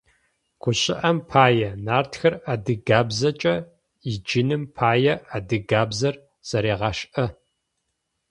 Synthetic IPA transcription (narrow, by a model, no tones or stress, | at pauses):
kʷʰʊɕʼɪʔɐmpʰaːjɐnaːrtxɐradɨɡaːbzɐt͡ʃʼɐ | id͡ʒɪnɨmpʰaːjɐadɨɡaːbzɐr | z̥ɐɾeːʁɑːʃʔɐ